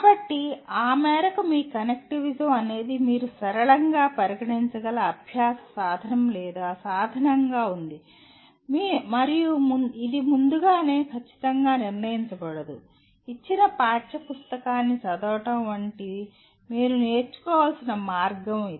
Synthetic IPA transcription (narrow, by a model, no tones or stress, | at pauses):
kaːbɐʈːiaːmɛːɾɐkumiːkɐnek̚ʈiʋid͡ʒɐmɐne̞ːd̪imiːɾusɐɾɐɭɐŋɡaːpɐɾiɡɐʈiɲt͡ʃɐɡɐlɐːbʱjaːsɐ̥saːd̪ʱɐnɐmlɛːd̪aːsaːd̪ʱɐnɐŋɡaːund̪i | mimɐɾijumunid̪imund̪uɡaːne̞ːkʰɐt͡ʃːi̥t̪ɐŋɡaːniɾnɐjiɲt͡ʃɐbɐɽɐd̪u | it͡ʃːinɐpaːʈʃɐpust̪ɐkaːnːisɐd̪ɔːʈɐmʋɐɳʈi | miːɾune̞ːɾt͡ʃu̥kɔːʋaːlɐsinɐmaːɾɡɐmii